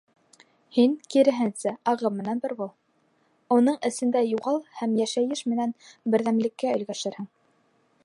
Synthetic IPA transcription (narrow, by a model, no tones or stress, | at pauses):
hiŋkiɾɘ̆ɦɘnsæɑʁɤmmːɘ̆nænbɘɾbulˠ | unɤɴʔɘ̆sɘ̆nd̪æjuʁɑlˠhæmjæʃæjɘʃmɘ̆nænbɘ̆ɾðæmlɘ̆kːæɵ̆ɡæʃɘɾhɘŋ